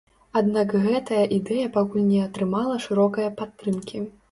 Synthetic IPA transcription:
ad̪nakɣɛt̪ɐjɐʔid̪ɛjɐpakulʲnʲɛɐt̪ɾɨmalˠɐʂɨɾɔkɐjɐpat̪ːɾɨmkʲi

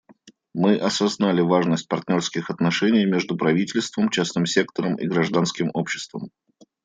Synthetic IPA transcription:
mɨʔɐsɐznalʲɪvaʐnəsʲt̚ʲpɐrt̪ʲnʲo̞rskʲɪxɐt̪nɐʂɛnʲɪjmʲe̞ʐd̪ʊpɾɐvʲitʲɪlʲst̪vəmt͡ɕasnɨmsʲe̞kt̪əɾəmḭɡɾɐʐd̪anskʲɪmo̞pɕːɪ̥st̪və̰m

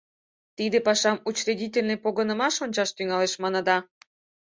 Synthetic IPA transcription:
t̪id̪epɑʃɑmut͡ɕridʲitʲelʲnĕpoɣənə̆mɑʃonʲt͡ɕɑʃt̪yŋɑleʃmɑnɤ̆d̪ɑ

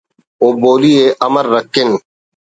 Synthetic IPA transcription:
oːboːlieʔɐməɾːəkːɪn

